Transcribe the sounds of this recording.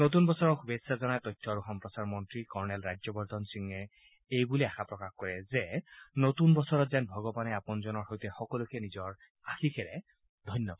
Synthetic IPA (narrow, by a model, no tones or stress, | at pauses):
not̪̬unbɔsɔɹɔkbesazɔnajt̪ɔjtʰːɔɹuxɔmpɹɔsaɹmɔntɹikɔɹnɛlɹazɔbɔɹd̪ʱɔnsiŋɛ | ejbuliaxapɹɔkaxkɔɹɛzɛnot̪unbɔsɔɹɔt̪zɛnbʱɔɡɔbanɛapɔnzɔnɔɹhojtɛxɔkɔlukʰɛnizɔɹ | axikʰɛɹɛ | d̪ʱɔjnjɔba